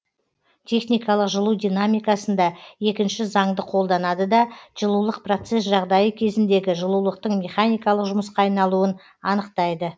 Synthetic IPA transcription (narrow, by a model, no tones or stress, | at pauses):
t̪ʲʰe̞χnijkɑlˠəqʒəlˠud̪ijnamijkɑsənd̪ɑe̞kʲɪnʃɪzɑɴd̪əqʰo̞lˠd̪ɑnɑd̪əd̪ɑʒ̥əlˠulˠəq̚pro̞t̪se̞sʒɑʁd̪ɑjəkʲʰe̞zɪnd̪e̞ɡʲɪʒəlˠulˠəq̚t̪əɴmʲe̞χanijkɑlˠəqʒʊməsqɑɑjnɑlˠuən | ɑnəqt̪ɑjd̪ə